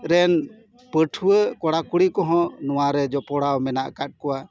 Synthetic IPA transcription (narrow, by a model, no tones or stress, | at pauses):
ɾɛn | pəʈʰuəkɔɽakuɽikɔɦɔ̃nɔwaɾɛd͡ʒɔpɔɽawmɛnaʔkat̚ˀkɔwa